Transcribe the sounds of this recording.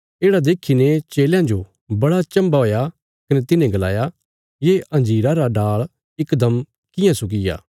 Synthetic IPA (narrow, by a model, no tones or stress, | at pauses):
eːɽad̪eːkʰinet͡ʃeːljãd͡ʒo | bɐɽat͡ʃɐ̃mbaɦoːja | kɐnet̪ɪnẽɡɐla̰ːja | jeːʔɐ̃nd͡ʒiːɾaɾaɖaːɭ | ɪkd̪ɐm | kɪjãsʊk̬ɪja̰ː